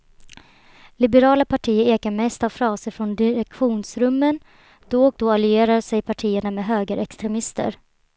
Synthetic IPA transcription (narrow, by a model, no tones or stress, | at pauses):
lɪbəɾɑːlapʰaʈʰiːəɾeːkaɾmɛst̪avfɾɑːsəɾfɾɔnd̪ɪɾɛkɧuːnsɾɵmːən | d̪̥ɔɔk̚d̪ɔalʏeːɾaɾsɛjpʰaʈʰiːəɳamɛɦøːɡəɾʔɛkst̪ɾɛmɪst̪ə̰ɾ